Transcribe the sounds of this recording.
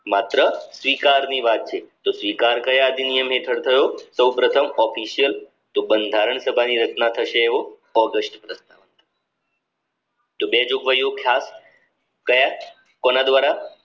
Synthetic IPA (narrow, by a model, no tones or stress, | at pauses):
mat̪ɾəsʋiːkaɾniːʋat̪̚t͡ʃʰet̪osʋiːkaɾkəjaəd̪ʱinijəmɦeʈ̪ʰəɽt̪ʰəjosəwpɾət̪ʰəmɔfiɕijəl | t̪obənd̪ʱaɾəɳsəbʱaniːɾət͡ʃnat̪ʰəɕeeʋo | ɔɡəsʈpɾəst̪aʋənt̪ə | t̪obed͡ʑoɡʋəjokʰjas | kəja | konad̪ʋaɾa